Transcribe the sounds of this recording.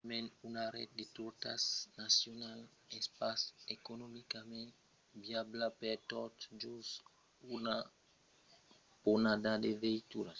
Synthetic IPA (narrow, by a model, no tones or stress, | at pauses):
mẽnunaɾɛ̰t̪̚d̪et̪uɾt̪asnasjonal | espasekonomikamẽn | biablapeɾt̪ot̪d͡ʒus | una | ponad̪ad̪eveit̪uɾas